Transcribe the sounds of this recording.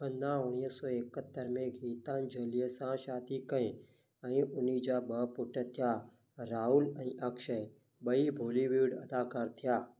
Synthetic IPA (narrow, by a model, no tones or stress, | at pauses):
ə̃nd̪ãʊɽ̃iːəsɔːekət̪ːəɾmẽɡʱiːt̪ãːnd͡ʒəliəsãʃaːd̪ikəẽ | ɛ̃ːʔʊnid͡ʒaːɓəpʊʈʰət̪ʰjaː | ɾaːɦʊlɛ̃ːʔəkʃə | ɓəibʱoːliʋiːɽɐ̰d̪aːkaːɾt̪ʰɪjaː